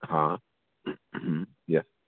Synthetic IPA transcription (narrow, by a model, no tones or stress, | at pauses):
ha | m̥m̩ | jɛs